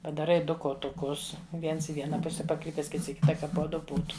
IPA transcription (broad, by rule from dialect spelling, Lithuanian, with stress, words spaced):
pɐdɐˈrɐɪ ˈdʊ koːtʊˈkʊs ˈʋʲiɛns ɪ ˈʋʲiɛnɐ ˈpʊsʲɛ pɐˈkrʲiːpʲɛs ˈkʲɪts ɪ ˈkʲɪtɐ ˈkɐ poː ˈdʊ ˈbuːtʊ